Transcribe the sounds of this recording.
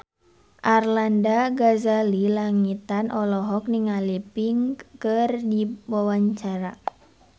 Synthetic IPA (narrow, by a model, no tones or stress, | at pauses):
ʔarlandaɡazalilaŋit̪anʔɔlɔɦɔk̚niŋalipiŋkɨrdiwawaɲt͡ʃaɾa